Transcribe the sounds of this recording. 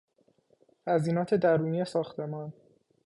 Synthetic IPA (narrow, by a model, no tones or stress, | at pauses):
hæziːnɒːt̪ʰe̞d̪æɾuːniːjesɒːxt̪ʰe̞mɒːn